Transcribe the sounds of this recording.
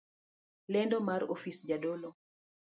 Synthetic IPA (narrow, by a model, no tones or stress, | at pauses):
lɛndɔmaɾofisd͡ʒadolo